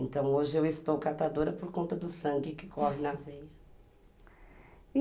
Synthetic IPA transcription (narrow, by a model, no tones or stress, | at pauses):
ẽnt̪ɐ̃w̃oʒɪewɪst̪owkat̪ad̪oɾɐpoɾkõnt̪ɐd̪ʊsɐ̃ŋɡɪkɪkɔɦɪnɐvejɐ | i